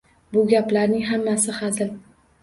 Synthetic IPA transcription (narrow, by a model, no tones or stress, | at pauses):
bʊɡʲaplaɾnɪŋɦamːasɪhazɪl